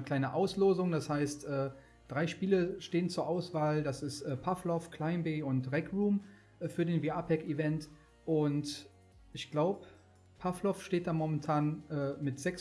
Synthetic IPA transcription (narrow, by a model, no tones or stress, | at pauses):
əkl̥aɪnəʔaʊsloːzʊŋd̥ashaɪstʔɛː | d̥ʁaɪʃpiːləʃteːənt͡suːɐʔaʊsv̥aːld̥asɪstʔɛːpʰaflɔfkʰl̥aɪmbeːʊntʁɛkʁuːm | ʔɛfyːɐdeːnviaːpʰɛkivɛnt | ʔʊnt | ʔɪçɡ̥laʊbə | pʰaflɔfʃteːt̚d̥amomɛntʰaːnʔɛːmɪtz̥ɛks